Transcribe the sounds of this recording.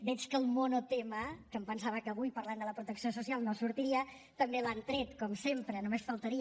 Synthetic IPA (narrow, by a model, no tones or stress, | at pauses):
d̪ɛt͡ʃkəlˠmonot̪eməkəmpənsaβəkəβujpəɾland̪ələpɾut̪əksiosusialˠnosuɾt̪iɾiə | t̪əmbelant̪ɾɛt̪kɔmsempɾənumesfəlˠt̪əɾi